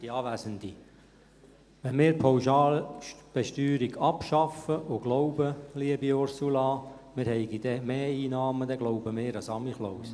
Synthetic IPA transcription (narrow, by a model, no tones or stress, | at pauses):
d̥iɑːʋæːzəndi | ʋɛnmɪːɾpʰawʃɑːlb̥ɛʃtyːɾiɡɑpʃɑfəʔʊɡ̥lɔʊbəliəbiɔrsulɑ | mɪːɾhɛɪɡid̥̪ɛmeːiːnɑːməd̪ɛɡ̥lɔʊbəmɪːɾəsɑmiχlows